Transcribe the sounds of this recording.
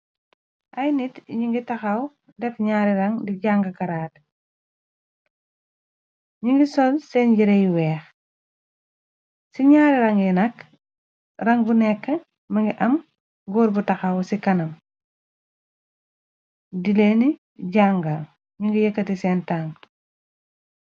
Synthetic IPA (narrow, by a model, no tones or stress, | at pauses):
ʔajnitɲiŋɡitaxaw | defɲaːɾiɾaŋdiɟaŋɡɐkaɾaːt | ɲiŋɡisolseɲɟiɾejiweːx | siɲaːɾiɾaŋinɐk | ɾɐŋbunekːə | mɐŋɡiʔɐm | ɡoːɾbutaxawsikɐnɐm | dileni | ɟaŋɡa | ɲiŋɡijɐkːɐtisentaŋ